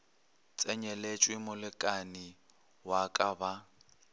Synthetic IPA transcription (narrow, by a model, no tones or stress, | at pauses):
t͡sʼɛɲɛlet͡ʃʼwɪmʊlɪkʼani | wakʼaba